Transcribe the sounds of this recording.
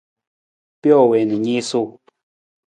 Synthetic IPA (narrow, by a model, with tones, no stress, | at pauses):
pjɔ˦˨we˨nɨ˨ɲi˦su˦˨